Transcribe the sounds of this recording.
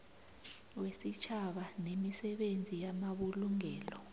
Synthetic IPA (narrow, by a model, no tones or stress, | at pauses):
wesit͡ʃʰaɓanemisɛɓend͡zʱijamaɓuluŋɛːlɔ